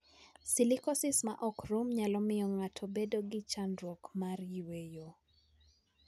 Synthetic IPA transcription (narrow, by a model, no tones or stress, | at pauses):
silikɔsɪsmaʔɔkɾumɲalɔmɪjɔŋatʰɔbedoɡɪt͡ʃandɾɔkmarjwejo